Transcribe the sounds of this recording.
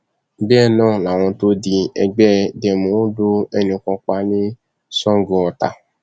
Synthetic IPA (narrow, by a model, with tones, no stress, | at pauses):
ɡ͡bɛ˦˨nãː˦˨la˨w̃ɔ̃˧to˦di˧ɛ˧ɡ͡bɛ˦dɛ˧˨mõ˨˦do˦ɛ˦nĩ˧kɔ̃˧k͡pa˧nĩ˦ | sɔ̃˦ŋ˦ɡɔ˧ɔ˧ta˧